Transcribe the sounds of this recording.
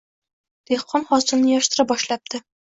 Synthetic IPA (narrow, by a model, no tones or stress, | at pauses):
d̪̥eχqʰːɒmχɒsɤ̆lnɪjɒʃt̪ɾabɒʃlap̚t̪ʰɪ